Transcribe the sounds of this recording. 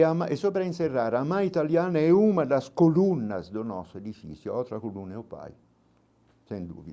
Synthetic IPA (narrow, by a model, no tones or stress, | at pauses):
amaesɔpɾainserːaːɾamajit̪aljaːnaɛumad̪askolunːa̰zd̪onɔ̰sed̪ifḭsjoɔt̪ɾakoluneopa̰j | sɛnd̪ṵːvi